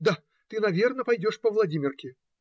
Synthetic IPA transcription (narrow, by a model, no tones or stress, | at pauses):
d̪a | t̪ɨnavʲɛrnɐpajd͡zʲɔʂpɐwlˠad͡zʲimʲɪrkʲi